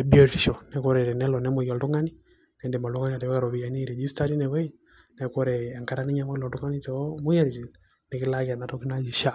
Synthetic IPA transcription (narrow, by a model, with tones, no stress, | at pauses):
ɛ˨bi˦ɔ˦ti˨ʃɔ˨nɛ˨˦kɔ˦ɾɛ˨ɾɛ˨nɛ˦lɔ˨nɛ˦mɔ˨jɔ˨ldu˦ŋa˦ni˦ | nɛ˨ndɛ˨ma˨ldu˦ŋa˦ni˦a˨tɛ˨wa˦˨ɾɔ˨bi˨ja˨ni˦ɾɛ˨d͡ʒi˦sta˦ɾi˦nɛ˨wɛ˦j | nɛ˨kɔ˦ɾɛ˨ɛ˨ŋka˦ɾa˦ni˦ɲa˦mɔ˦lɔ˨du˦ŋa˦ni˦tɔ˨mu˦ja˦ɾi˨ti˨ | nɛ˨kɪ˦la˦ka˨na˨˦tɔ˦ki˦na˦d͡ʒi˨ʃa˦